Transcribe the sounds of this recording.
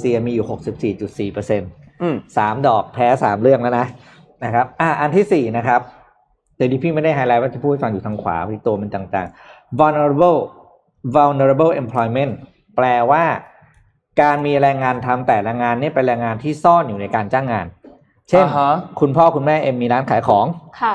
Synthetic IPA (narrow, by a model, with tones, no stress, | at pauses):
si˧ɐmiː˧juː˨˩ho˨˩k̚si˨˩p̚siː˨˩t͡ɕu˨˩t̪̚siː˨˩pɤː˧se˧nsaː˩˦mdɔː˨˩k̚pʰɛː˦˥saː˩˦mɾɯ˥˩əŋlɛː˦˥wna˦˥ʔ | na˦˥kʰa˦˥p̚ʔaː˧˩ʔa˧nt̪ʰiː˥˩siː˨˩na˦˥kʰa˦˥p̚ | d̪ɛ˧˩˦niː˧pʰiː˥˩ma˥˩da˥˩jɦa˧jlaː˦˥jwaː˥˩a˧pʰuː˥˩hfa˧ŋjuː˨˩a˧ŋkʰwa̰ː˩˦a˧i˦˥t̪u˧ɐme˧nt̪aː˨˩ŋt̪a̰ː˨˩ŋwa˧wna˧ɾa˧bɤ˥˩ | wa˧wne˧ɾa˧bɤ˥˩ʔe˧mpʰlɔː˧jme˦˥˩n | plɛː˧waː˥˩ | kaː˧nmiː˧ɾɛː˧ŋːaː˧nt̪ʰa˧mt̪ɛː˨˩ɾɛː˧ŋaː˧nːi˥˩ɐpe˧nɾɛː˧ŋːaː˧nt̪ʰiː˥˩sɔː˥˩njuː˨˩na˧jkaː˧nt͡ɕaː˥˩ŋːaː˧n | t͡ɕʰe˥˩nkʰu˧npʰɔː˥˩kʰu˧nmɛː˥˩ʔe˧mːiː˧ɾaː˦˥nkʰaː˩˦jkʰɔː˩˦ŋkʰ